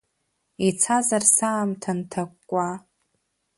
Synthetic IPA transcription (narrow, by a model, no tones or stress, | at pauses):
it͡sʰazarsaːmtʰantʰakʷʼːa